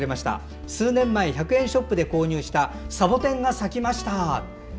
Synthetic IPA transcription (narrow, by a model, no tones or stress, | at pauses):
ɾe̞maɕi̥t̪a̰ | sɨːnẽ̞mːaiçakɯ̟ẽ̞ɰ̃ɕo̞pːɯ̟d̪e̞ko̞ːɲ̟ɨːɕi̥t̪asabo̞t̪ẽ̞ŋɡasakʲimaɕi̥t̪a